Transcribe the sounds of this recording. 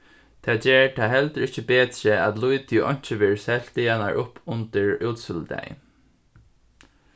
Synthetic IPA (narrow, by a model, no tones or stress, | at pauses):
t̪ʰɛːd͡ʒɛːɹt̪ʰaːɦɛlt̪əɾɪht͡ʃəbeːt̪ɾəæt̪lujt̪ʰiʔɔ̰ɲ̥t͡ʃɪʋeːɹsɛl̥t̪ɪana̰ɹʔʊpʰʊnt̪ɪɹuːt̪sʏld̪ɛ̰j